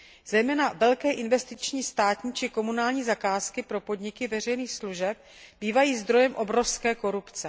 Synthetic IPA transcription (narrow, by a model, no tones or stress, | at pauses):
zɛjmɛːnavɛlkɛːʔɪnvɛst̪ɪt͡ʃɲiːst̪aːt̪ɲiːt͡ʃɪko̞munaːlɲiːzakaːskɪpɾo̞po̞dɲɪkɪvɛr̝ɛjniːxsluʒɛp̚ | b̥iːvajiːzd̪ɾo̞jɛmʔo̞bɾo̞fskɛːko̞ɾupt͡sɛ